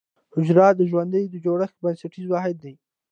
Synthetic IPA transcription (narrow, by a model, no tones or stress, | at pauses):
hʊd͡ʒɾɑd̪əʒwand̪əjd̪əd͡ʒoɽəxkbansaʈizwɑɦɪd̪̚ːaj